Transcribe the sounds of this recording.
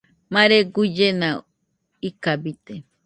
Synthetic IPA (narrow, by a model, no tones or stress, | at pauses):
mãɾeɡud͡ʒena | ikabit̪e